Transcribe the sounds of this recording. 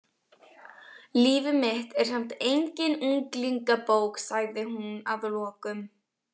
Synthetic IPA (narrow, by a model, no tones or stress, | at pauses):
liːvɪmɪht̪ɛɾ̥sɛm̥t̪ejɲcɪnuŋkliŋkapowksaɣðɪhunaðlɔːkʏm